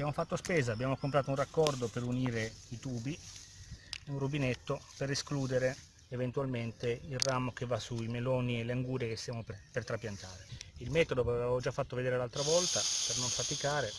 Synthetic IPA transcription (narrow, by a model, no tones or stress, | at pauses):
bjaːmofat̪ːospeːzaːbːjaːmokompɾaːt̪ounrakːɔrd̪operuniːɾeit̪uːbi | unrubinet̪ːopeɾeskluːd̪eɾe | event̪ualment̪eilramokevːasuimelɔːnieleaŋɡuːɾjekest̪jaːmoppert̪ɾapjant̪aːɾeilmɛːt̪od̪oaveavveevod͡ʒafːat̪ːoved̪eːɾelalt̪ɾavɔlt̪apernoɱfat̪ikaːɾe